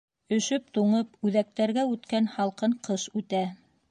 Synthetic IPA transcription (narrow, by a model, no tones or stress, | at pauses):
ɵ̆ʃɵp̚t̪uɴɤpʉðæk̚t̪æɾɡæʉt̪kænhɑlˠqɤɴqɤʃʉt̪æ